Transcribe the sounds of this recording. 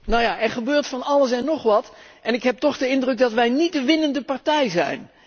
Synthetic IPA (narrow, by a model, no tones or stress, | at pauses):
nawjaːɛɹχəbøːɹtfɑnɑləs̬ɛnːɔχʋɑtʔɛnɪkɦɛp̚tɔχdəɪndrɵk̚dɑtʋɛjnit̚dəʋɪnəndəpaɹtɛjzɛ̰jn